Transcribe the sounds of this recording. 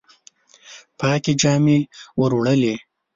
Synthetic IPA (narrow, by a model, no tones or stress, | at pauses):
pɑːkid͡ʒɑːmiwəɾwɽəli